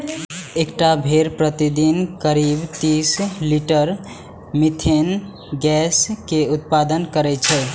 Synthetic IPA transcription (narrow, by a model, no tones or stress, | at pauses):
ekʈabʱeɾpɾət̪id̪inkəɾibt̪isliʈəɾ | mit̪ʰen | ɡɛskeut̪̚pad̪ənkəɾɛt͡ʃʰɛ